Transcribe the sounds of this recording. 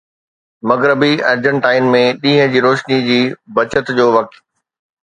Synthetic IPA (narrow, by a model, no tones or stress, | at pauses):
mɐɣɾəbiɐɾd͡ʑə̃ɳʈaːɪnmẽɗĩːɦə̃d͡ʑiːɾoːʃnid͡ʑiːbɐt͡ɕət̪d͡ʑoːʋɐk̚t̪